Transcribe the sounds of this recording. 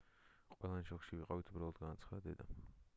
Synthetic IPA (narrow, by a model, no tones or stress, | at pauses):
qʼwɛlˠanʃɔkʃiviqʼavit̪ʰubɾalˠɔd̪ɡanat̪sʰχad̪d̪ɛd̪a